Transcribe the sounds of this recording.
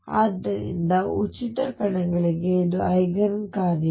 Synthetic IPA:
a̰ːd̪ːɐɾḭnd̪ɐut͡ʃit̪ɐkɐɳɐɡɐɭiɡed̪uɐjɡɐɾkaːdi

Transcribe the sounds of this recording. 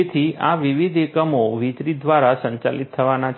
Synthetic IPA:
et̪ʰiʔaʋiʋid̪ʱekəmoʋit͡ʃ̪ɾid̪ʋaɾasə̃ɲt͡ʃa̰lit̪ʰːəʋanat͡ʃʰ

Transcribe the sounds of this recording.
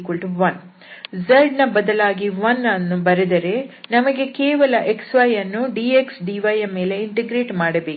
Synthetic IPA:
kuɭʈuʋɐn | zɐɾɖnɐbɐd̪ɐlaːɡiʋɐnɐnːubɐɾɐd̪ɐɾe̞nɐmɐɡe̞keːʋɐlɐʔeksʋɐjɐnːuɖieksɖiʋɐjɐme̞ːle̞iɳʈeɡɾe̞ːʈmaːɽɐbeː

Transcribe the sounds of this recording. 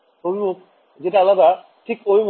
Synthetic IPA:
obʱibok̚ | d͡ʑeʈaalad̪a | ʈʰikojm

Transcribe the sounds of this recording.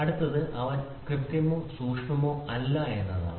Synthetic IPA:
ɐɽut̪ːɐðɨʔɐʋɐn | krɨt̪ːjɐmoːsuːkʂɳɐmoːʔɐlːɐe̞nːɐða̰ː

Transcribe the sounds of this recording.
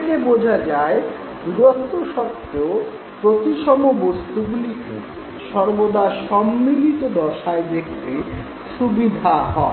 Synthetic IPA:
kebod͡ʑʱad͡ʑae | d̪uɾot̪ːoʃɔpt̪ːo | pɾot̪iʃɔmobost̪uɡulik | ʃɔɾbod̪aʃɔmːilit̪od̪ɔʃaed̪ek̚ʰt̪e | ʃubid̪ʱaɦɔe

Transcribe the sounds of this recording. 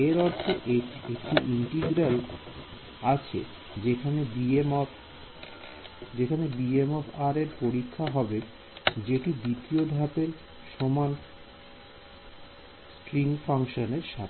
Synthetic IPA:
eɾɔɾt̪ʰoʔeekʈiʔiɳʈiɡɾal | at͡ɕʰḛ | d͡ʑekʰanebim | d͡ʑekʰanebiemɔfʰaɾeɾpoɾikʰːaɦɔbe | d͡ʑeʈid̪it̪iod̪ʱapeɾ | ʃoman | sʈɾiŋfaŋʃoneɾʃa

